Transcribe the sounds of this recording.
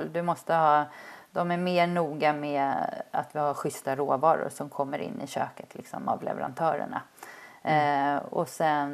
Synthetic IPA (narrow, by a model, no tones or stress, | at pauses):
ld̪ɵmɔst̪əhɑːd̪ɔmæɾmeːɳuːɡameat̪vɪhaɾɧʏst̪aɾoːvɑːɾʊ̰ɾʂɔmkʰɔmːəɾɪ̰nːɪɕøːkə̥t̪ʰlɪksɔma̰vlɛ̰vɛɾant̪ʰœːɾə̰ɳa | ɔsɛn